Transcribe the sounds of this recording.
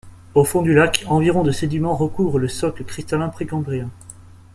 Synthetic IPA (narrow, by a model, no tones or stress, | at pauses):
ofɔ̃d̪ylakɑ̃viʁɔ̃d̪əsed̪imɑ̃ʁəkuvʁələsɔkləkχist̪alɛ̃pχikɑ̃bʁiɛ̃